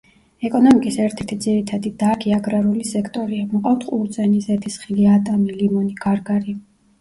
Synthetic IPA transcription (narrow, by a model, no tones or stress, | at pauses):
ɛkʼɔnɔmikʼisɛɾt̪ʰɛɾt̪ʰid̪ziɾit̪ʰad̪id̪akʰiaɡɾaɾulisɛkʰt̪ʼɔɾiamɔqʼaft̪ʰχʼult̪zʼɛnizɛt̪ʰisχiliat̪ʼamilimɔniɡaɾɡaɾi